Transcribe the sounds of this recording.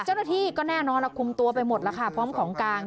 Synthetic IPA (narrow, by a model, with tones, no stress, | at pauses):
t͡ɕaː˥˩wna˥t̪ʰiː˥˩kɔː˥˩nɛː˥˩nɔː˧nla˧˨˩kʰu˧mt̪u˧ɐpa˧jmo˨˩t̪̚la˧˩kʰa˥˩pʰɔː˦˥mkʰɔː˩˦ŋkaː˧ŋ